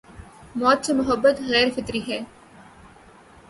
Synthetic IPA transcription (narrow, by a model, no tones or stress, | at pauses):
mɔːt̪̚t͡ʃɐmʊɦəbːət̪ɣɛːɾfɪt̪ɾiːɦɛː